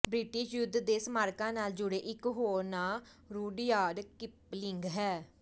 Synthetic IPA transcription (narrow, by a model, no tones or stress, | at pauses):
bɾɪʈɪʃjʊd̪ːd̪eːsmaːɾkãːnaːld͡ʒʊɽeːʔɪkɦoːɾnãː | ɾuːɖjaːɖkɪplɪŋɡɦɛː